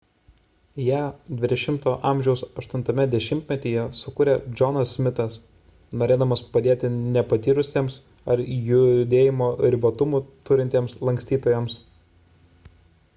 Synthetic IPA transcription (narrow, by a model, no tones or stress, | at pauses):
jæːd̪ʲʋʲɪd̪ʲɛʃʲɪmt̪oːʔɑˑmʲʒʲɛʊsɐʃt̪ʊnt̪ɐmʲɛd̪ʲɛʃʲɪmʲt̪ʲmʲɛt̪ʲeːjɛsʊkʊɾʲeːd͡ʒʲɔnɐsːʲmʲɪt̪ɐs | noːɾʲeːd̪ɐmɐspɐd̪ʲeːt̪ʲɪnʲɛpɐt̪ʲiːɾʊsʲeːms | ɐɾjʊd̪ʲeːjɪmoːɾʲɪbɐt̪ʊmuːt̪ʊɾʲɪnʲt̪ʲeːmslˠɐŋʲksʲt̪ʲiːt̪oːjɛms